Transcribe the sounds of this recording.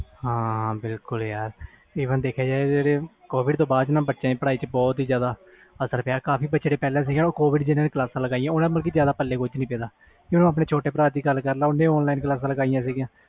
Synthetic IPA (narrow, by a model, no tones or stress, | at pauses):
hãːɦãbɪlkʊljaːɾ | iːʋənd̪eːkʰjaːd͡ʒaːed͡ʒeːɽeːkoːbɪɖt̪õːbaːd̪t͡ʃnãːbətːʃãːĩːpəɽaːiːt͡ʃəbɔːt̪iːzjaːd̪aː | əsəɾpjaːɾkaːpʰiːbətːʃeːɽeːpɛːlãːs̬iːɡãːoːkoːbɪɖd͡ʒɪnãːnẽklaːsãːləɡaːijãːʊnãːməlk̬iːzjaːd̪aːpəlːeːkʊt͡ʃnĩːpeːd̪aː | kɪnõːapneːt͡ʃʰoːʈeːpəɾaːiːɡəlkəɾlaːʊnːẽːɔːnlaːɪnklaːs̬ãːləɡaːijãːsiːɡjãː